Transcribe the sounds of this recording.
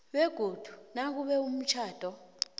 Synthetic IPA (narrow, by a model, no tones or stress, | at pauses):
wɛɡ̥ʱod̥ʱunak̬uɓɛum̩t͡ʃʰaːd̥ʱɔ